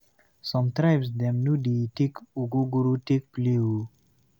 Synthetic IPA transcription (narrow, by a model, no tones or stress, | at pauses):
sɔ̃mt̪ɾaɪbsdɛ̃mnudetekuɡuɡuɾutek̚pliu